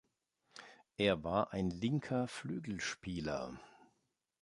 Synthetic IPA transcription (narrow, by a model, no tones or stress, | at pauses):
ʔeːɐvaːɐʔaɪnlɪŋkʰɐflyːɡl̩ʃpiːlɐ̰